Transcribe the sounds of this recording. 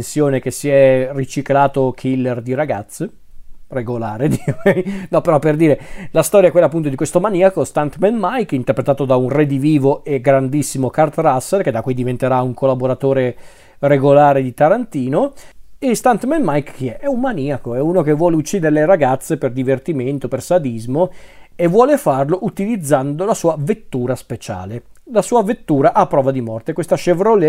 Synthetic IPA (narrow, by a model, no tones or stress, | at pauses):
nsjoːnek̟esiɛrit͡ʃiklaːt̪okʰilːerd̪iɾaɡat̪sːe | reɡolaːɾed̪iɛjnɔpːeɾɔpːerd̪iːɾelast̪ɔːɾjaɛkwelːapːunt̪od̪ikwest̪omaniakost̪ant̪mɛnmajkint̪erpɾet̪aːt̪od̪aunred̪iviːvoeɡɾand̪isːimokart̪ɾasːerked̪akːwid̪ivent̪eɾauŋkʰolːaboɾat̪oːɾe | reɡolaːɾed̪it̪aɾant̪iːnoest̪ant̪mɛnmajkːeɛʔɛummaniakoɛuːnok̟evːwɔːleut͡ʃːiːd̪eɾeleɾaɡat̪sːeperd̪ivert̪iment̪opersad̪izmoevːwɔːlefarloʔut̪ilid̪zːand̪olasuːavet̪ːuːɾaspet͡ʃa̰ːlelasuːavet̪ːuːɾaʔapːɾɔːvad̪imɔrt̪ekwest̪aʃevɾole